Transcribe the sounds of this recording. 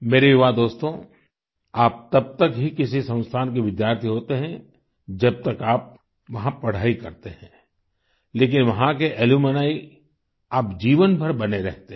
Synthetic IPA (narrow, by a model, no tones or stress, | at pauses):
meːɾejɪʋaːd̪oːst̪õ | aːp̚t̪ɐb̚t̪ɐkɦikɪsisɐ̃w̃st̪ʰaːnkeʋɪd̪jaːɾt̪ʰiɦoːt̪eɦɛ̃ | d͡ʒɐb̚t̪ɐkaːp̚ | ʋɐɦãpɐɽ̤aːikɐɾt̪eɦɛ̃ | leːk̬ɪnʋɐɦãkeʔɛlumənaːi | aːpd͡ʒiːʋənbʱɐɾbɐneɾɛɦt̪e